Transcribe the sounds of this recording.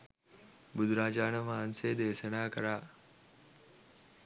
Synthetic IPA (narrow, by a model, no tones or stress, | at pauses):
bud̪ɾaːd͡ʒaːnɐmaːnseːd̪eːsɐnaːkɐɾaː